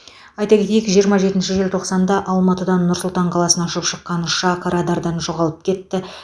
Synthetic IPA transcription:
ɑjt̪ɑkʲe̞t̪ejɪkʒijəɾmɑʒe̞t̪ɪnʃɪʒelʲt̪ʰo̞qsɑnd̪ɑʔɑlˠmɑt̪əd̪ɑnːʊɾsʊlˠt̪ɑɴqʰɑlˠɑsənɑʃəpʃəqːɑnʃɑqʰɑɾɑd̪ɑɾd̪ɑnʒo̞ʁɑlˠəp̚kʲʰe̞t̪ːɪ

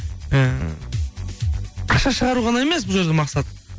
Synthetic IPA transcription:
ə | qʰɑʃɑʃəʁɑɾuʁɑnɑeme̞sbʊlˠʒed̪ʲemɑqsɑt̪

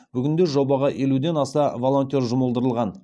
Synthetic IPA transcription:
bʏɡʲɪnd̪e̞ʒo̞bɑʁɑʔe̞lud̪e̞nɑsɑvolˠo̞nt̪ʲerʒʊməlˠd̪əɾəlˠʁɑn

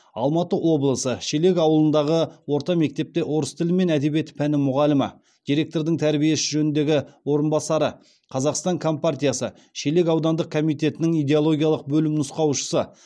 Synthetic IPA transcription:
ɑ̰lˠmɑt̪əwʔo̞blˠəsəʃele̞k̬ʲɑwəlˠənd̪ɑʁəwo̞ɾt̪ɑme̞k̚t̪e̞p̚t̪e̞ʔo̞ɾəst̪ʰɪlɪme̞næd̪e̞biet̪pʰænɪmʊʁɑlɪmə̰ | d̪̥ijɾe̞k̚t̪o̞ɾd̪əŋt̪ʰæɾbije̞sɪʒɵnɪnd̪e̞ɡʲɪwo̞ɾənbɑsɑɾə | qʰɑzɑqst̪ɑŋkʰo̞mpart̪ijasə | ʃele̞kʲɑwd̪ɑnd̪əq̚kʰo̞mijt̪e̞t̪ɪnɪŋijd̪e̞olˠo̞ɡʲijɑlˠəq̚bɵlɪmnʊsqɑwʃə̥sə

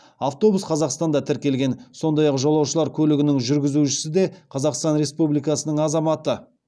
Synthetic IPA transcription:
ɑft̪o̞busqʰɑzɑqst̪ɑnd̪ɑt̪ʰɪɾkʲe̞lɡʲe̞nso̞nd̪ɑjɑqʒolˠɑwʃəlˠɑɾkʲʰɵlɪɡʲɪnɪŋʒʏɾɡʲɪzuʃɪ̥sɪd̪e̞qʰɑzɑqst̪ɑnɾe̞spublijkɑsənəɴɑzɑmɑt̪ə

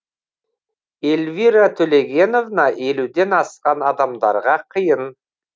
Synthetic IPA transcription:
elviɾat̪ʰɵle̞ɡʲe̞no̞vnɑʔe̞lud̪e̞nɑsqɑnɑd̪ɑmd̪ɑ̰ɾʁɑqʰəjən

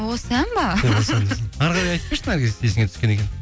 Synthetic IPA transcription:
wosænbɑsend̪sɑɾʁɑɾɑjɑjt̪̚pejsɪŋæɾɡʲezesd̪esɪŋet̪ʰʏ̥skʲe̞nekʲen

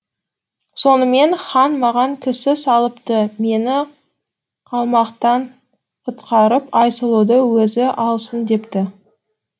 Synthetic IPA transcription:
so̞nəme̞nχɑnmɑʁɑŋkʲʰɪsɪsɑlˠəpt̪əme̞nɪ | qʰɑlˠmɑqt̪ɑn | qʰət̪qʰɑɾəpɑjsəlˠud̪əwɵzɪʔɑlˠsənd̪e̞pt̪ɪ

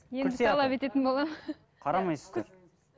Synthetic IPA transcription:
jeɾeɑlˠɑpe̞t̪e̞t̪ɪnbolˠɑmə | qʰɑɾɑmɑjsəze

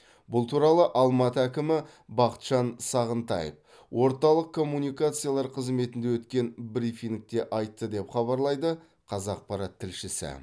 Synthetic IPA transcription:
bʊlˠt̪ʰuɾɑlˠəʔɑlˠmɑt̪əækʲɪmɪ | bɑqə̥t̪ʃɑnsɑʁənt̪ɑ̰jə̰f | wʔo̞ɾt̪ɑlˠəqkʰːo̞mːunijkat̪sɨjalˠɑɾqʰəzme̞t̪ɪnd̪ewɵt̪kʲe̞nbɾifiŋk̚t̪e̞ʔɑjt̪ːəd̪e̞pχɑβɑɾlˠɑjd̪ə | qʰɑzɑq̚pɑɾɑt̪ʰːɪlʃɪsɪ̰

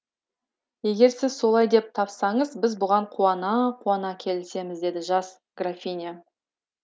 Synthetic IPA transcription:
je̞ɡʲe̞ɾsɪzso̞lˠɑjd̪e̞p̚t̪ʰɑpsɑɴəzbɪzbʊʁɑɴqʰuɑnɑqʰuɑnɑkʲʰe̞lɪse̞mɪzd̪e̞d̪ɪʒɑs | ɡ̥rafʲinʲa

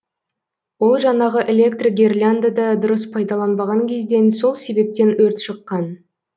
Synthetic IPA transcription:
wo̞lˠʒɑɴɑʁəʔelʲe̞kt̪riɡʲerlʲand̪ad̪ɑd̪ʊɾəspʰɑjd̪ɑlˠɑnbɑʁɑŋkʲʰe̞zd̪e̞nso̞lˠse̞be̞p̚t̪e̞nwɵɾt̪ʃəqːɑn

